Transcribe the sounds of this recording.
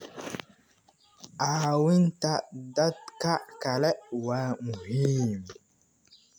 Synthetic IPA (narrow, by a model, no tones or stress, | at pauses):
awintadat̚kakalɛʔwaŋhim